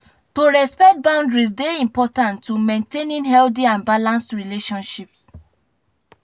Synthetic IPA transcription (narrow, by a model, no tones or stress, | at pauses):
toɹɛspɛk̚t̚bãʊ̃ndɹis̬deĩmpɔtãntːumẽntenĩnɦɛldiãnbalãnstɹileʃɔ̃nʃips